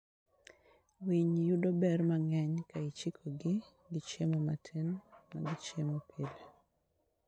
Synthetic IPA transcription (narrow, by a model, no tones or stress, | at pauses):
wiɲjudɔbɛrmaŋɛɲkait͡ʃikʰoɡɪ | ɡɪt͡ʃemomatʰenma̰ɡɪt͡ʃemopʰile